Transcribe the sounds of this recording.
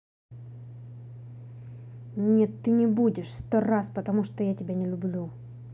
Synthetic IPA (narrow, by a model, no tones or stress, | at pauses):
nʲet̪ːɨnʲɪbudʲɪʂst̪oraspət̪ɐmuʂt̪ojatʲɪbʲanʲɪlʲʊblʲu